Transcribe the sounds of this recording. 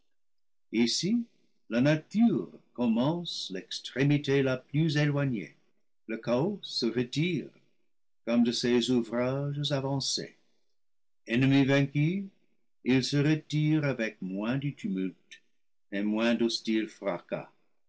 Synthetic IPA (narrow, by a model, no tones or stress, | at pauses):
isi | lanatyʁkɔmɑ̃slɛkstχemitelaplyzelwaɲḛ | ləkaɔəʁətiːʁ | kɔmd̪əsezuvʁaʒəzavɑ̃sḛ | ɛnəmivɛ̃ky | ilsəʁətiʁavɛk̚mwɛ̃dɨtʰymylt | emwɛ̃dostilfra̰ka̰